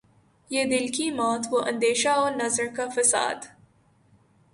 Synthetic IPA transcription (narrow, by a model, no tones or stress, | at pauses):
jeːd̪ɪlkimɔ̃ːt̪ʰʋoʔɐ̃nd̪eːʃaɔːɾnɐzɾkafɐsa̰ːd̪